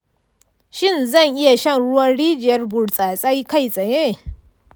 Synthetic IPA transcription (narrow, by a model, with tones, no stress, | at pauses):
ʃɪ˦˨nzɐ˦˨ŋʔɪ˦ja˨ʃɐ˦˨nɽʊ˦wɐ˦nɽiː˦d͡ʒɪ˨jɐ˦rbʊ˨ɽt͡sʼaː˨sʼa˦jka˦˨jsʼɐ˨je˦˨